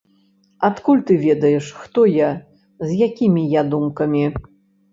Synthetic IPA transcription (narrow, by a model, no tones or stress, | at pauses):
at̪kulʲt̪ɨvʲɛd̪ɐjɛʂxt̪ɔja | zʲjakʲimʲijad̪umkɐmʲi